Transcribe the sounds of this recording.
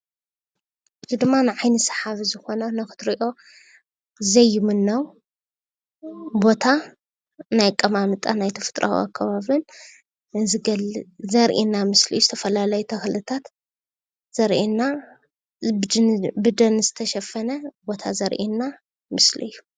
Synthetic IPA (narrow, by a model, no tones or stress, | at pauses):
ʔɨzʰid̪ɨmːanɨʕajnɨsɐ̥ħaβizɨxo̞nɐnɐxɨ̥t̪ɾiʔo̞ | zɐjːɪmɨnːɐw | bo̞t̪ʰa | najkʼɐmamɨt̪ʼanajt̪ʰɐfɨ̥t̪ʼɾʔa̰w̰a̰kʰːɐβaβlɨn | zɡɐzɐɾʔinːamɨslḭjːuzɨt̪ʰɐfɐlalɐjut̪ʰɐxlɨt̪ʰat̪ | z̥ɐɾʔina | bɨd̪ɐnɨzɨt̪ʰɐʃɐfɐnɐbo̞t̪ʰa̰zɐɾʔinːa | mɨslɨ̰jːu